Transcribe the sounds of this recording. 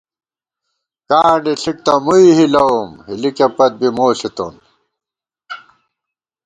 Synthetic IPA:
kaːɳɖiɬik̚t̪ɐmuiɦilɐumhilikepɐt̪̚bimoːɬit̪o̰n

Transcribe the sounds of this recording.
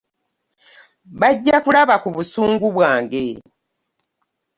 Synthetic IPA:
βaɟːakulaβakuβusuːŋɡuβwaːŋɡe̞

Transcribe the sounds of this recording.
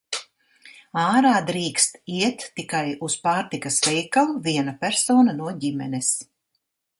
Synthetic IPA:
aːɾaːd̪ɾiːkst̪iɛt̪ːikajuspaːɾt̪ikɐsvɛjkalˠviɛnapʲæɾsɔːnanuɔɟimɛ̰nɛs

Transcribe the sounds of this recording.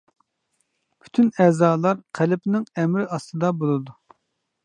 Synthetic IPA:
pʰy̥t̪ʰynɛːzɑːlˠɑɾqʰælɪpnɪŋɛmɾɪɑst̪ɨd̪ɑbolˠɨd̪u

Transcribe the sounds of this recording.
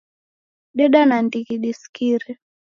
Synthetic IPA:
ɗɛɗanandikiɗiskiɾi

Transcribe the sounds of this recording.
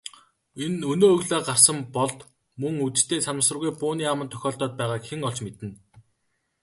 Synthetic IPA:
enɵnoːɵɣɮaːɢar̥sə̆mpɔɮt̪ | mɵŋut̪̆t̪ʰeːt͡sanə̆sə̆rɣujpʊːniːamə̆nt̪ʰœ̥xʲɔːɬt̪ɔːt̪̚pæːʁaːkxeŋɔɮt͡ɕmet̪ɘ̆n

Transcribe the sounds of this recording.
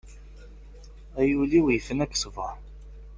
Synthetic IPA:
æjuliwjfənækːsvəɾˤ

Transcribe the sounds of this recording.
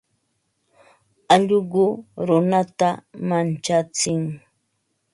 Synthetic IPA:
aʎɢʊɾʊnat̪amant͡ʃat͡sɪŋ

